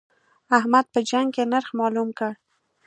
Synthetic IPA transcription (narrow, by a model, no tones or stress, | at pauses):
ahmad̪̚pəd͡ʒaŋɡkenaɾxmɑlumkəɽ